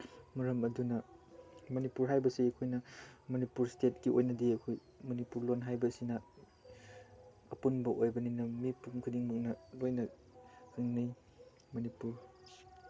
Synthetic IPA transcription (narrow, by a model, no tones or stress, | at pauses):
mɐɾɐmɐdunɐ | mɐnipuɾɦajbɐsiɐkʰojnɐmɐnipuɾstet̚kiʔojnɐdiɐkʰoj | mɐnipuɾlonɦajbɐsinɐ | ɐpunbɐʔojbɐninɐmipuŋkʰudiŋmuk̚nɐlojnɐ | kʰɯŋnij | mɐnipuɾ